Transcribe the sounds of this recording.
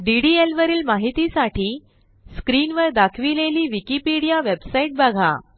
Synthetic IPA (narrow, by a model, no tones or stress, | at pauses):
ɖiɽielʋəɾiːlmaɦit̪isaʈʰiː | skɾiːnʋəɾd̪akʰʋileliːʋikipiɽijaʋebsaiʈ̚baɡʱa̰